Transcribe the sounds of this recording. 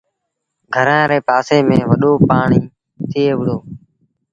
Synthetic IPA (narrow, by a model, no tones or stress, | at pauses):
ɡʱəɾãːɾeːpaːseːmẽːʋəɗoːpaːɳiː | t̪ʰɪːeːʋɪɽoː